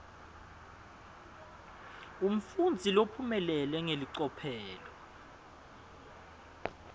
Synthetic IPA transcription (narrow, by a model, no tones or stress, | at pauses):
um̩fund͡zʱilopʰumɛlɛlwɛŋeliǀɔpʰɛːlɔ